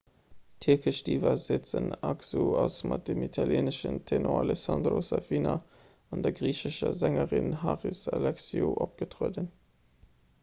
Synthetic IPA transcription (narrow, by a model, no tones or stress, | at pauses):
tʰiɐkəʃdiːvɐzet͡sənɑkzuɑsmɑt̚d̥emitʰɑljeːnəʃəntʰenoɑlɛsɑndrosɑfina | ɑndɐɡʁiːɕəʃɐzæŋəʁinɦaʁisɑlɛksioʔop̚ɡ̥ətʁoədən